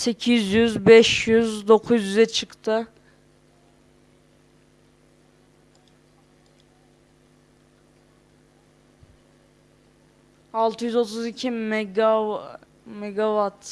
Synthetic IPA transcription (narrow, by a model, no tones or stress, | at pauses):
se̞cʰizjyzbɛʃjyzd̪o̞kʰuzjyzɛt͡ʃʰɯkt̪ʰɯ | alˠt̪ʰɯjyzo̞t̪ʰuzicʰimɡ | mɛɡavat̪